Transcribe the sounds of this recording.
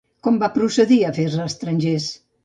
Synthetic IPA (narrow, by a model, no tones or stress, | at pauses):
kɔmbapɾuseðiafezast̪ɾanʲʒes